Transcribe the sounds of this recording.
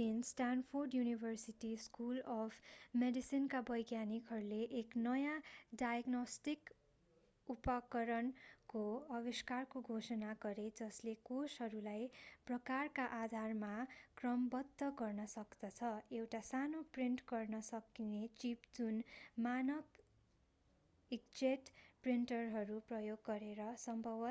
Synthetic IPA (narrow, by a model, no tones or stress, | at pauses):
insʈanpʰorɖjunibʱʌrsiʈiskulʌpʰmeɖisinkabʌjɡjanikɦʌɾuleʔːknʌjaɖajɡnosʈik | upʌkʌɾʌnkoʌbiskarkoɡʱosʌnaɡʌɾed͡zʌslekosɦʌɾulajprʌkarkaʔad̪ʱarmakrʌmbʌd̪ʱːʌɡʌrnʌsʌkd̪ʌt͡sʰʌewʈasanopriɳʈɡʌrnʌsʌkinet͡sipd͡zunmanʌb | ik̚d͡zeʈpriɳʈʌrɦʌɾuprʌjoɡːʌɾeɾʌsʌmbʱʌbʌ